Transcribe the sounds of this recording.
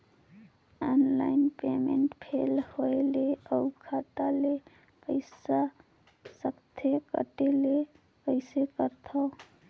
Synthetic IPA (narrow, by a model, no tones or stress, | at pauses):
ɔnla̰ɪnpemeɳʈpʰelhoeleəukʰat̪ale | pəɪsa | səkt̪ʰekə̰ʈele | pəɪsekəɾt̪ʰɔ